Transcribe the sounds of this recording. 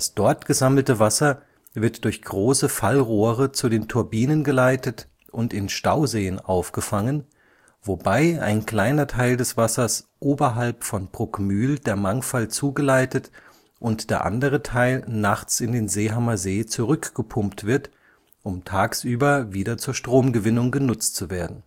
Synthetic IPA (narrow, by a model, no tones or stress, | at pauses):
dasd̥ɔɐtɡ̥əzaml̩təvasɐ | vɪɐtd̥ʊɐçɡ̥ʁoːsəfalʁoːʁət͡sudeːntʰʊɐbiːnənɡəlaɪtət | ʔʊntɪnʃtaʊzeːənʔaʊfɡ̥əfaŋən | vobaɪa̰ɪnkl̥aɪnɐtʰaɪldɛsv̥asɐsʔoːbɐɦalpfɔnb̥ʁ̥ʊkmyːldeːɐmaŋfalt͡suːɡəlaɪtət | ʔʊntd̥eːɐʔa̰ndəʁ̞ətʰaɪlnaχt͡sɪndeːnzeːɦamɐzeːt͡suʁʏkɡ̥əpʰʊmptv̥ɪɐt | ʔʊmtʰaːksʔyːbɐviːdɐt͡suːɐʃtʁ̥oːmɡəvɪnʊŋɡənʊt͡stt͡suveːɐdn̩